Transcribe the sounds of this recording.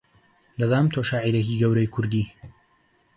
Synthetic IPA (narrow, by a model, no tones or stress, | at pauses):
lɐzaːnɨmt̪ʰoːʃaːʕiɾekiɡɐwɾɐjkʰʊɾd̪iː